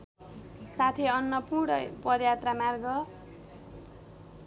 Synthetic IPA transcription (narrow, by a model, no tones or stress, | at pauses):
sat̪ʰiʌnːʌpuɽʌpʌd̪jat̪ramarɡʌ